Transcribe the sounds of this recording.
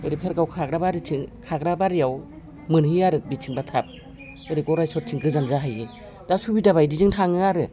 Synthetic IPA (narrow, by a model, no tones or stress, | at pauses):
ɔjɾipʰeɾɡawkʰaɡɾabaɾitʰiŋkʰaɡɾabaɾijaw | mɯnhɯjaɾɯbitʰiŋbatʰap̚ | ɯjɾiɡɔɾajsɔt̚tʰiŋkʰɯzanzaɦajɯ | d̥asubidaβajdiziŋtʰaŋɯaɾɯ